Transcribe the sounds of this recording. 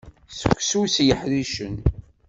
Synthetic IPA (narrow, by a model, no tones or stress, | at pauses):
sə̥kʷːsusjəħɾiʃən